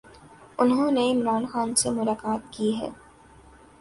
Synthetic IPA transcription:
ʊnɦõneɪmɾaːnxaːnsemʊlaːkaːt̪̚kiɦɛ̰ː

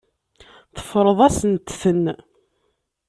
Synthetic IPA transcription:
θə̥fːɾˤəðˤæsənt̪θən

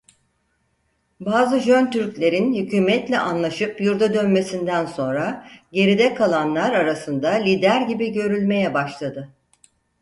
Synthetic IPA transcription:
baːzɯʒønt̪ʰyɾclʲe̞ɾinhycʰyːmɛt̪lʲɛʔanlˠaʃɯpjuɾd̪ad̪ønme̞sind̪ænso̞nɾaɟe̞ɾid̪ɛkʰalˠanlˠaɾaɾasɯnd̪alʲiːd̪æɾɟibiɟø̞ɾylʲme̞jɛbaʃlˠad̪ɯ

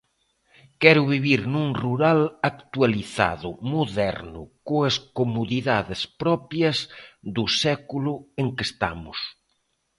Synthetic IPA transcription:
kɛɾʊβ̞iβiɾnũŋruɾalakt̪ualiθa̰ðʊmoðɛɾnʊ̰koɐskomoðiðaðespɾɔpjɐzðʊsɛkulʊeŋkest̪a̰mʊ̰s

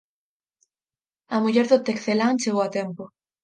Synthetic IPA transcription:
ɐmuʎɛɾðʊt̪ekθelaŋt͡ʃeɣowat̪empo

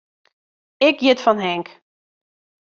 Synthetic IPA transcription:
ɪkjɪtfɔnɦɛŋk

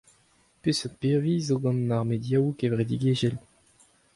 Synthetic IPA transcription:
pysopeʁviːzoɡɑ̃nːaʁmed̪jawukevʁed̪iɡeʒɛl

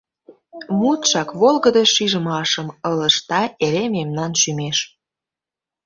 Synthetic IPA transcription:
mut̪ʃɑkβolɣəd̪əʃiʒə̆mɑʃəmələʃt̪ɑeɾememnɑnʃymeʃ

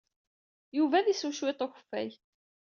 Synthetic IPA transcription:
juvæðisuʃwet̪ˤoçəfːæ̰j

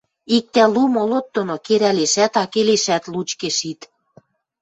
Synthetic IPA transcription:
ik̚t̪ælumolot̪ːonokeɾæleʃæt̪ɑkeleʃæt̪lut͡ɕkeʃit̪

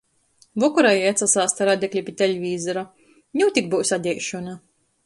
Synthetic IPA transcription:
vɔkuɾajajat̪sasaːst̪aɾad̪ʲɛklʲipʲit̪ʲelʲvʲiːzɔɾa | nʲuwt̪ʲik̚buːsad̪ʲɛjʃɔna

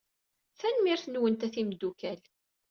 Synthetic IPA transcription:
θænmiɾθnwənt̪æθimd̪ːukæl

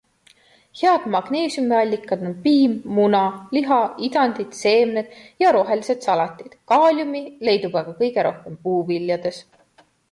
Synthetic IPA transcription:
heɑd̪̥mɑɡ̥ne̞ːsʲjumiɑlʲːikːˑɑd̪onpiːmːunɑliɦɑid̪ɑnd̪̥id̪̥se̞ːmned̪̥jɑɾo̞ɦe̞lise̞d̪̥sɑlɑt̪ʲːˑid̪̥kɑːlʲjumile̞jd̪ub̥ɑɡ̥ɑkɤjɡ̥e̞ɾo̞hke̞mpuːvilːjɑd̪̥e̞s

